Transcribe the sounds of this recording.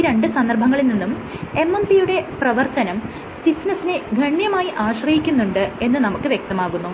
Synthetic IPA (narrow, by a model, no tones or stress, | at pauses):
ɾe̞ɳɖɨsɐnd̪ɐrbʱɐŋːɐɭilninːum | e̞mːɐmsijuɽe̞prɐʋɐrt̪ɐnɐm | sisnɐsinɨɡʱɐɳjɐmaːjiʔaːɕrɐjikʲːunːuɳɖɨe̞nːɨnɐmukːɨʋje̞k̚t̪ɐmaːɣunːu